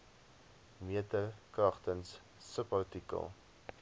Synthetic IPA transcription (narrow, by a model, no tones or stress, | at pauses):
miətəkrɐχtənsː | əpɐrtikə̰lˠ